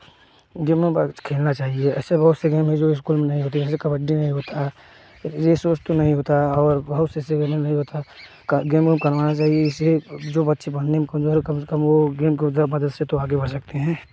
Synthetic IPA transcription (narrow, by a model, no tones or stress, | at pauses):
ɡeːmːẽkʰeːlnat͡ʃaːɦieɛːsebɐɦʊt̪seɡeːmɦɛ̃d͡ʒoːɪskuːlmẽnɐɦĩɦoːt̪̬iɛːsekɐbəɖːinɐɦĩɦoːt̪aɦɛ | jesoːt͡ʃt̪onɐɦĩɦoːt̪aɦɛɔːɾbɐɦʊt̪seseɡeːmɦẽnɐɦĩɦoːt̪a | kɡeːmemkɐɾʋaːnat͡ʃaːɦieɪsed͡ʒoːbɐt̪ːʃʰebɐnemkɐmzoːɾkɐmsɐ̥kɐmʋoɡeːmked̪əmɐd̪əd̪set̪oaːɡebɐɽsɐk̚t̪eɦɛ̃ː